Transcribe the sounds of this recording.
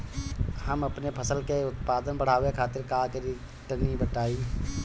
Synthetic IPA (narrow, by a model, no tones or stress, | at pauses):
həmɐpnepʰəsəlkeʊt̪paːd̪ənbəɽ̤aːʋekʰaːt̪ɪɾkaːkəɾi | ʈənːibəʈaːiː